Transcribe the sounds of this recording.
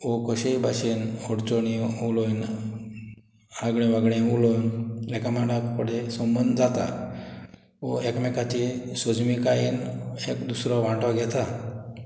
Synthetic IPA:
okəɕebʱaɕinoɽt͡soɳiulojn | aɡɽ̃ẽʋaɡɽẽulojnlɛkamaɽapəɽesəmbənd̪d͡zat̪a̰ | oekmɛkat͡ɕisəd͡zmikajinekd̪usɾɔʋãʈɔɡʱɛt̪a

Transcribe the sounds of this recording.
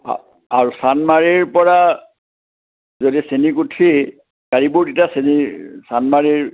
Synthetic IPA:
a | aɹusanmaɹiɹpɔɹa | zodisenikutʰi | kaɹibuɹditasenisanmaɹiɹ

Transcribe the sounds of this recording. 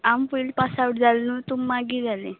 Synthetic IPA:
ampulpasauʈd͡zalnut̪umːaɡid͡zalḛ

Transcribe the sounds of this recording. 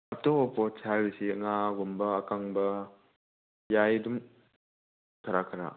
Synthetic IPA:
ap̚tɔɔpɔsʰaɡɯsiŋaɡɔmbɐːkaŋbɐ | jajdum | kʰaɾakʰaɾa̰

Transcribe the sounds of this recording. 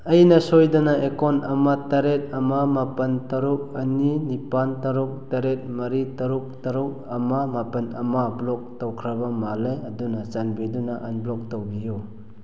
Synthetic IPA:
ɐjnɐsojdɐnaekonɐmatɐɾet̚ɐmamapɐntɐɾuk̚ɐninipantɐɾuk̚tɐɾet̚mɐɾitɐɾuk̚tɐɾuk̚ɐmamapɐnɐmablɔk̚towkʰɾɐbɐmalejɐdunat͡ʃanbidunaʔanblɔk̚towbiju

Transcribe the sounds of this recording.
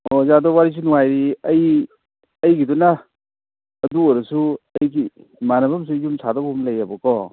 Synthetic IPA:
ozadɔwaɾis̬inuŋajɾiɐj | ɐjɡiduna | ɐduojɾɐsuɐjɡi | manɐbɐms̬ujumsʰadɔbumlɐjabɔkɔ

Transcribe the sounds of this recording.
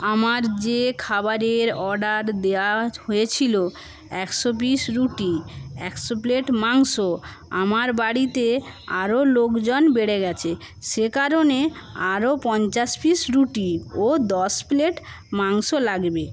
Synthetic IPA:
amaɾd͡ʑekʰabaɾeɾɔɾɖaɾd̪eaɦoet͡ɕʰilo | ɛkʃobiʃɾuʈiɛkʃopleʈmaŋʃo | amaɾbaɽit̪ea̰ɾolokd͡ʑonbeɽeɡɛt͡ɕʰe | ʃekaɾoneaɾopɔnt͡ɕaʃbiʃɾuʈiod̪ɔspleʈ | maŋʃolaɡbe

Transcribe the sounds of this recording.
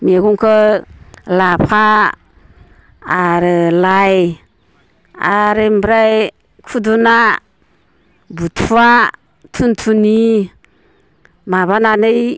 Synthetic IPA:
meɡuŋkə | lapʰa | ɾəlaj | a̰ɾembɾaj | kʰuduna | butʰua | tʰuntʰuni | maβananəj

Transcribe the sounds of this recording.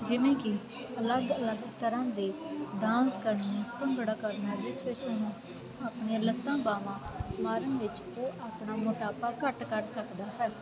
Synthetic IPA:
d͡ʒɪʋẽːkɪ | ələɡələɡt̪əɾãːd̪eːɖãːskəɾnːãpəŋɡəɽaːkəɾnaːʋɪt͡ʃʋɪt͡ʃʊnũː | aːpɳeãːlət̪ːãːbaːʋãːmaːɾənʋɪt͡ʃ | oːʔaːpɳaːmʊʈaːpaːkəʈkəɾsəkd̪aːɦɛː

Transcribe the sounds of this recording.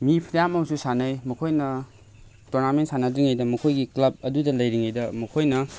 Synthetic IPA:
mipʰiɾjamɐmsusanɐjmɐkʰojnɐ | toɾnamentsanɐdɾiŋajdɐmɐkʰojɡiklɐb̚ɐdudɐlɐjɾiŋajdɐmɐkʰojnɐ

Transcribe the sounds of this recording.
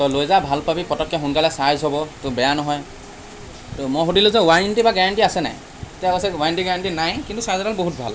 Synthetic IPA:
t̪ɔlojzabʱalpabipɔtɔkʰːɔɦunkalɛsazɦɔbɔtɔbɛjanɔɦɔj | tɔmɔɦodiluzɛwajnʈibaɡɛɹaɳʈiasɛna̰j | tijakɔsɛwajnʈiɡaɹaɳʈinajkintusazaɾalboɦut̚bʱa̰l

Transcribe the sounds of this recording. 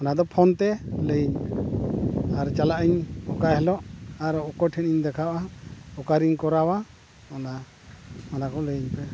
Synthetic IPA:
ɔnad̪ɔpʰɔnt̪ɛləiɲ | aɾt͡ʃalaʔiɲɔkaʔɦɛlɔʔaɾɔʔɔkɔʈʰɛniɲd̪ɛkʰawʔaɔkaɾiɲkɔɾawa | ɔna | ɔnakɔʔləiɲpɛ

